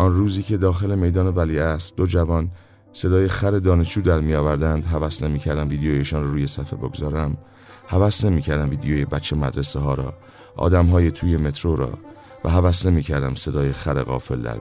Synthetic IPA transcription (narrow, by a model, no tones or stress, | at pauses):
ʔɒnruːziːcʰe̞d̪ɒːxe̞le̞me̞jd̪ɒːne̞væliːæst̪̚d̪o̞d͡ʒævɒːn | se̞d̪ɒːje̞xæɾe̞d̪ɒːneʃd͡ʒuːd̪æɾmijɒːvæɾd̪ænd̪ɦævæsne̞miːcʰæɾd̪æmviːd̪eoːjeʃɒːnrɔːɾuːje̞sæfe̞̰bo̞ɡozɒːɾæm | hævæsne̞miːcʰæɾd̪æmviːd̪ejoːjebæt͡ʃʰːe̞mæd̪ɾe̞seɦɒːɾɒ̰ː | ʔɒ̰ːd̪æmɦɒːjet̪ʰuːje̞me̞t̪ʰɾo̞ɾɒ̰ː | væ̰ɦævæsne̞miːcʰæɾd̪æmse̞d̪ɒːjexæɾeɣɒ̰ːfe̞̰ld̪æ̰ɾ